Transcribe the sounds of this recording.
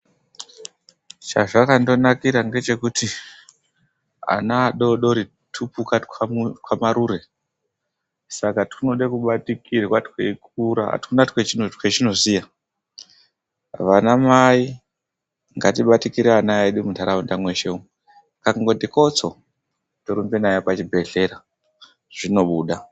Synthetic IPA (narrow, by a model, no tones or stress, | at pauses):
t͡ʃa̰ʐakando̞nakiɾaŋɡe̞t͡ʃe̞kuti | a̰naːɗo̞ɗo̞ɾi | tʰupukakwamaɾure̞ | sakatunoɗekuɓatikʰirwatweikuɾa̰tkunatwet͡ʃinotwet͡ʃinozija | ʋanamai | ŋɡatiɓatikiɾeanaeɗimutaɾaundamwe̞ʃeu | kakaŋɡotiko̞t͡so | toɾumbenajepat͡ʃibʱe̞ɮe̞ɾa | ʐ̥ino̞ɓuːɗa